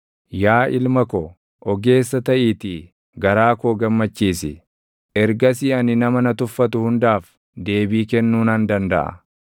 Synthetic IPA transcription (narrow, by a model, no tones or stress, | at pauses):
jaːʔɪlmɐkɔ | ʔɔɡe̞ːsːɐt̪ɐʔiːt̪i | ɡɐɾaːkoːɡɐmːɐt͡ʃːiːsɪ̰ | ʔɛɾɡɐsiɐnɪnɐmɐnɐt̪ʊfːɐt̪ʊhʊnd̪aːf | d̪e̞ːbiːkɛnːuːnɐnd̪ɐnd̪ɐʔɐ̰